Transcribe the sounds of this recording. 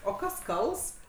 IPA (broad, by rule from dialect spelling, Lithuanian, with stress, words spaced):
oː ˈkɐs ˈkɐlˠs